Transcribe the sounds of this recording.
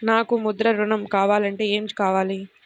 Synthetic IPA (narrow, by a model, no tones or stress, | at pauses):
naːkumud̪ɾɐɾuɳɐmkaːʋaːlɐɳʈe̞ːeːmikaːʋaːli